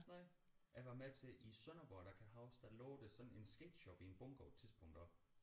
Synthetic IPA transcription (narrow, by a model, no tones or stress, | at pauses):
nɑɪ̰ | æʋɑ̈met͡sʰe̝ʔisœnɐʋ̥ɒɐɾ̥ɑkʰæɦɑ̈ʊsd̥ælɔːʊd̥esɒ̥̽n̩e̝nsɡ̥ḛd̥ɕɒb̥ie̝nb̥ɔ̽ŋɡ̥ɒʊt͡sʰiðˠsb̥ʰɔ̽ŋ̰d̥ɐ